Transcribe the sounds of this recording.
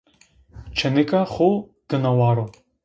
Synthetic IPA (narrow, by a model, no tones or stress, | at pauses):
t͡ʃʰɐnɨkʼaχoɡ̥ɨnɐwaːɾo